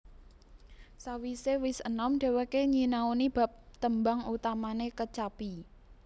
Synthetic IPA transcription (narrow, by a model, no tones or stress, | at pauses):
sawisewɪsənɔmɖ̥ɛ̤wekeɲinaunib̥a̤p̚t̪əmbaŋut̪amanekət͡ʃapi